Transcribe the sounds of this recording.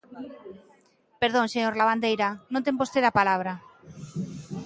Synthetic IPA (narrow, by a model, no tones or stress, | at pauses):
peɾðonseɲoɾlaβand̪ejɾanõnt̪eŋbost̪eðapalaβ̞ɾa